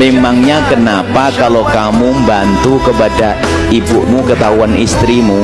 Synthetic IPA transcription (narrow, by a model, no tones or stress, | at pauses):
memaŋɲakənapakalokamumbant̪ukəpada | ibuʔmukət̪auanist̪ɾimu